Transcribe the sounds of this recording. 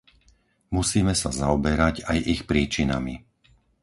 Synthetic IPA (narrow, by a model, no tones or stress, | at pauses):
musiːmɛsazaɔbɛɾaɟajʔixpɾiːt͡ʃina̰mi